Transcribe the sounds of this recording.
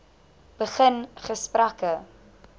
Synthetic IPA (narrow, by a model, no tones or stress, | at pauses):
b̥əχənχəsprakə